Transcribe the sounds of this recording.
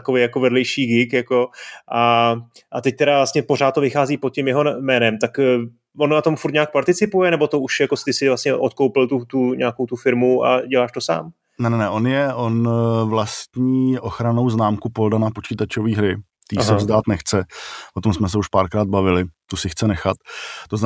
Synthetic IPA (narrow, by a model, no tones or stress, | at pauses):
t̪akovejako̞vɛdlɛjʃiːɡɪkjako̞ʔaʔat̪ɛc̚t̪ɛɾavlast̪ɲɛpo̞ɾaːt̪t̪ːo̞vɪxaːziːpot̪̚cɛmjɛɦonmɛːnɛmt̪akː | vonnat̪o̞mfuɾt̪ɲaːk̚paɾt̪ɪt͡sɪpujɛnɛbo̞t̪ouʃjakost̪ɪsɪvlast̪ɲɛʔo̞t̪̚kowpɪlt̪ut̪uɲaːko̞wt̪ufɪɾmua̰ɟɛlaːʃt̪o̞sa̰ːm | nɛnɛnɛʔonjɛʔonvlast̪ɲiːʔoxɾano̞wznaːmkupo̞ldanapo̞t͡ʃiːt̪at͡ʃoviːɦɾɪ | t̪iːsɛvzdaːt̪nɛxt͡sɛʔot̪o̞msmɛs̬ɛuʃpaːɾkɾaːd̪̚bavɪlɪt̪usɪxt͡sɛnɛxat̪ːoz